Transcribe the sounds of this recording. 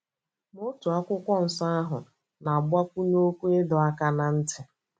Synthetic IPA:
mo˦tu˨a˦kʷʊ˦kʷɔ˦n̩˨sa˦a˦ɦʊ˨ | na˨ba˦kʷu˦ɲ˦o˦kʷu˦e˦dɔ˨a˦ka˦na˨n̩˦tɪ˨

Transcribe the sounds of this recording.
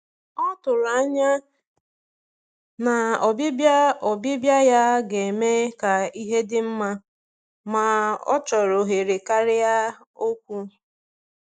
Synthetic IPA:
ɔ˦tʊ˨la˦ɲa˦ | na˨ɔ˨bɪ˦bja˦ɔ˨bɪ˦bja˦ja˦ɡe˨me˦ka˨i˦ɦe˦dɪ˦m̩˦ma˦ | ma˨ɔ̰˦t͡ʃɔ˨ɾo˨ɦe˨ɾe˨ka˦ɾɪ˦ja˦ | o˦kʷu˦

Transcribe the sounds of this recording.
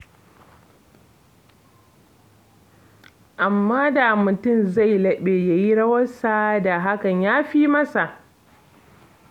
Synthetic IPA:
ʔa˨mːaː˦da˨mʊ˨tʊ˦˨mza˦˨jlɐ˦ɓeː˨ja˨ji˦ɽɐ˦wɐ˦sa˦da˨ɦa˦kɐ˨ɲjaː˦ɸiː˦mɐ˦sa˨ʔ

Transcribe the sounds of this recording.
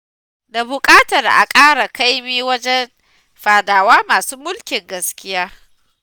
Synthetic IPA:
da˨bʊ˨kʼaː˦tɐ˨rʔa̰˨kʼaː˦ɽa˨ka˦jmiː˦wɐ˦d͡ʒɛ˦n | ɸaː˨daː˨waː˦maː˨suː˦mʊ˦lkʲɪ˨ŋɡɐ˦skʲɪ˦jaː˦

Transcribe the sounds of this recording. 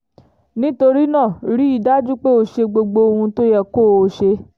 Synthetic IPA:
nĩ˦to˧ɾi˦nã˦˨ɾi˦i˦˨da˦d͡ʒu˦k͡pe˦o˧˨ʃe˧ɡ͡bo˧ɡ͡bo˧o˧hũ˧to˦jɛ˦˨ko˦˨o˧˦˨ʃe˧

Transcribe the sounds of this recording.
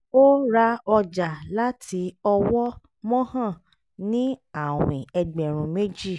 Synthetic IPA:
o˦ɾa˦ɔ˧d͡ʒa˨la˦tʰi˧˦ɔ˧wɔ˦ | mɔ̃˦hã˦˨ | nĩ˦a˦˨w̃ĩ˨ɛ˧ɡ͡bɛ˨ɾ̃ũ˨me˦d͡ʒi˦˨

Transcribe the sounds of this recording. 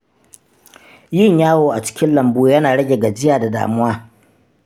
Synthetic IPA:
jɪ˦˨ɲjaː˦woː˨ʔa˨t͡ʃɪ̥˦kʲɪ˦nlɐ˨mbuː˦jɐ˦naː˨ɽɐ˦ɡʲe˨ɡa˨d͡ʒɪ˦jaː˨da˨da̰ː˨mʊ˦waː˦

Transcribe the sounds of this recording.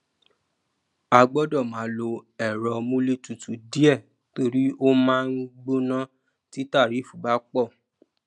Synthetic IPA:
a˧ɡ͡bɔ˦dɔ˦˨mã˨˦lo˧ɛ˨ɾɔ˧mũ˦le˦tu˨tu˨di˦ɛ˦˨ | to˧ɾi˦o˦mãː˦˧n̩˦ɡ͡bo˦nã˦ | ti˦ta˦˨ɾi˨˦˨fu˦˨ba˨˦k͡pɔ˦˨

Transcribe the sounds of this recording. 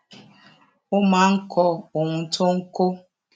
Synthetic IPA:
ʊ˦ma˨ŋ̩˦kʰɔ˦o˨ŋʷʊ˨˦tʰo˦ŋ̩˦ko˦

